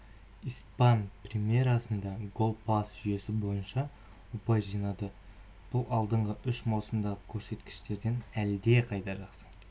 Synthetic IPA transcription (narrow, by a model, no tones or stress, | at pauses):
ijspɑnprʲemije̞ɾɑsənd̪ɑɡo̞lˠpasʒʏje̞sɪbo̞jənʃɑ | wopɑjʒijnɑd̪ə | b̥ʊlˠɑlˠd̪əɴʁəʔʏʃmɑwsəmd̪ɑəkʲʰɵɾse̞t̪kʲɪ̥ʃt̪e̞ɾd̪e̞næld̪e̞qʰɑjt̪ɑʒɑqsə̥